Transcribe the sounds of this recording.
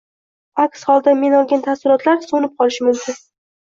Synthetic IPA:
akshɒlˠd̪ame̞nɒlˠɡʲant̪ʰafsɪɾɒt̪laɾsonɪp̚qʰɒlˠɪʃmʊmkʲʰʊn

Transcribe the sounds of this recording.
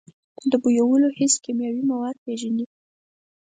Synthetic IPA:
d̪əbujawəlohɪskimjɑwimawaɾpeʒani

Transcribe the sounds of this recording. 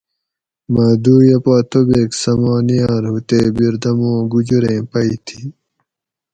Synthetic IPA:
maːd̪uːɾjɐpaːt̪ʰobeːksɐmaːnijaːɾɦut̪eːbiɾd̪ɐmõːɡud͡ʑuɾẽːpɐit̪ʰi

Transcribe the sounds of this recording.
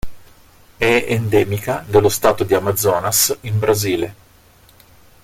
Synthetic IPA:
ɛend̪ɛːmikad̪elːost̪aːt̪od̪iamad̪zːɔːnasimbɾaziːle

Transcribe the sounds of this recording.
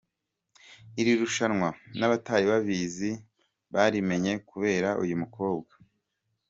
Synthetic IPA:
iɾiɾuʃanŋwanaβataːjiβaβiːzi | βaːɾime̞ɲe̞kuβe̞ːɾaʔṵjumuko̞ːbɡa

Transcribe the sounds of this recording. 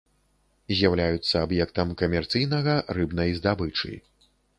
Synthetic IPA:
zʲjawlʲajut̪sːɐabjɛkt̪ɐmkɐmʲɛrt̪sɨjnɐɣɐrɨbnɐjzd̪abɨt͡ʂɨ̰

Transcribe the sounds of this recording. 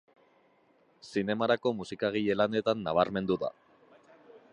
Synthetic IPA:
sine̞maɾako̞musikaɣ̞iʎe̞lane̞t̪anːaβ̞aɾme̞nd̪uða̰

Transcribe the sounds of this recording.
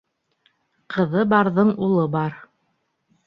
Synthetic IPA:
qɤ̆ðɤbɑɾðɤɴulˠɤbɑɾ

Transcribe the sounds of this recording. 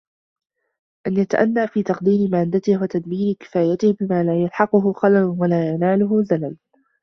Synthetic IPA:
ʔanjat̪aʔanːaːfiːt̪ɑqd̪iːmɪmaːd̪at̪ɪhwat̪ad̪miːɾɪkɪ̥faːjat̪ɪhbɪmaːlaːjalħɑqʊɦʊxɑlalwalaːjanaːlʊɦʊzalal

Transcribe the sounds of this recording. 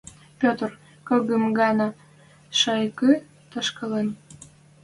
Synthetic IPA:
pʲot̪r | kɤɣəmɡɑnɑ | ʃɑjkø | t̪əʃkəlen

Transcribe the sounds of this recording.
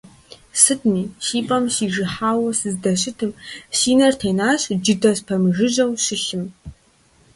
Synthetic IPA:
sɨdniːɕiːpʼɐmɕiːʒɨħaːwɐsɨzdɐɕɪtʰɨmsiːnɐrtʰeːnaːɕd͡ʒɪdɐɕpʰɐmɨʒɨʑɐwɕɪxɪm

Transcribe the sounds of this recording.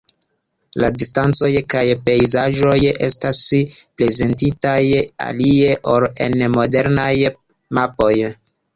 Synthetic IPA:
ladistant͡so̞jkajpe̞jzaʒo̞je̞staspɾe̞ze̞ntitaja̰lie̞ʔoɾe̞̰nmo̞de̞ɾnaj | mapo̞j

